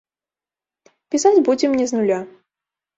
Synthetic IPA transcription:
pʲisad͡zʲbud͡zʲɛmnʲɛznulʲa

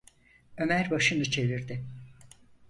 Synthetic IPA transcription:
ø̞mæɾbaʃɯnɯt͡ʃʰe̞viɾd̪ɪ

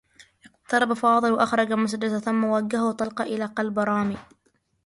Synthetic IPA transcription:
ʔɪqt̪ɑɾˤɑbafɑːðˤɨlwaʔaxɾˤɑd͡ʒamʊs̬ad͡ʒad̪aθʊmːawaɡːahawt̪ˤɑlqɑʔɪlaːqɑlbɾˤɑːmiː

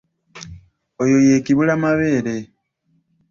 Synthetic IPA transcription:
ojo̞je̞ːkiβulamaβe̞ːɾe̞

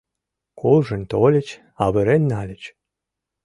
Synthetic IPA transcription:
kolˠʒə̆nʲt̪olʲə̆t͡ɕ | ɑβɘ̆ɾenʲːɑlʲə̆t͡ɕ

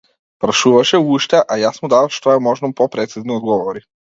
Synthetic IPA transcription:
pɾaʃuvaʃɛuʃt̪ɛʔajasmud̪avafʃt̪ɔɛmɔʒnɔmpɔpɾɛt̪siznɔd̪ɡɔvɔɾi

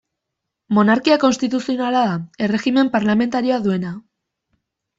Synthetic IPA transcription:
mo̞naɾkiako̞nst̪it̪usio̞nalaðae̞re̞ɣime̞mpaɾlame̞nt̪aɾio̞aðue̞na

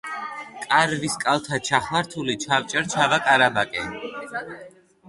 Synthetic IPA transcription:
kʼaɾviskʼalˠt̪ʰat͡ʃʰaχlaɾt̪ʰulit͡ʃʰavt͡ʃʼɛɾt͡ʃʰavakʼaɾabakʼɛ

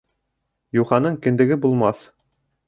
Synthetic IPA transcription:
juχɑnɤɴkɘ̆nd̪ɘ̆ɡɘbulˠmɑθ

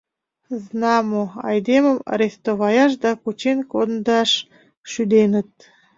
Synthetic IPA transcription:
znɑmoɑ̰jd̪emə̆mɑ̰ɾʲest̪oβɑjɑʃ̬d̪ɑkut͡ɕenʲkod̪nd̪ɑʃ | ʃyd̪enə̆t̪̚

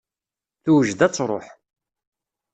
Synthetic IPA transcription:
θuwəʒd̪æt͡sːɾˤo̰ħ

